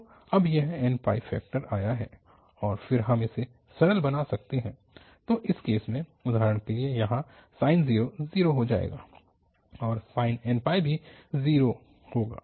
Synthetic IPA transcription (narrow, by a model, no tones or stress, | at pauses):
ɐbjɐɦɛnpa̰ːifɛ̰ːk̚ʈəɾaːjaɦɛ̰ː | ɔːɾfɪɾɦɐmɪse | sɐɾəlbɐnasɐk̚t̪eɦɛ̃ː | t̪oːʔɪskeːsmẽʊd̪ʱaːɾəɽ̃keliejɐɦã | saːɪnziːɾoziːɾoɦod͡ʒa̰ːḛːɡaː | ɔːɾsaːɪnɛːnpaːibʱiziːɾo | hoːɡa̰ː